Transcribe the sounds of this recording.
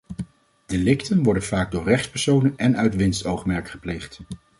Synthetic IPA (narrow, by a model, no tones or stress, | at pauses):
d̥elɪktənʋɔɹdənvaːɡ̚dʊːɹrɛχtspɛɹsownənɛnœɥtʋɪnstowχmɛɹkχə̥plejχt